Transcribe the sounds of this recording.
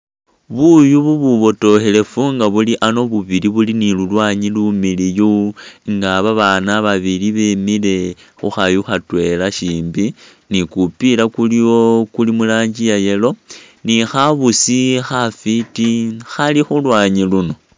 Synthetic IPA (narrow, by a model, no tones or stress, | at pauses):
βujuβuβuβo̞to̞hele̞fuŋɡaβuliʔano̞βuβiliβulinilulwaɲilumilijuŋɡaβaβanaβaβiliβemile̞ | xuxajuxatwe̞laʃiːmbi | nikupilakulio̞kulimulaːɲd͡ʒijaje̞lo̞ | nixaβusixafitixalixulwaːɲiluno̞